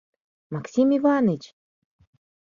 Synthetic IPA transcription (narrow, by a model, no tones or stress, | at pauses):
maksʲimivanɨt͡ʃ